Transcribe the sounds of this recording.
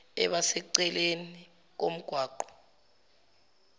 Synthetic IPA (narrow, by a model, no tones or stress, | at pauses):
ɛ̰ɓasɛǀɛleni | k̬om̩ɡ̥ʱwaːǃɔ̥